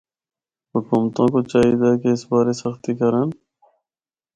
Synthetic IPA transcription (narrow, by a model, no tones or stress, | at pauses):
hʊkuːmt̪ãːkot͡ʃaːɦiːd̪aːkeɪsbaːɾesəxt̪ikəɾən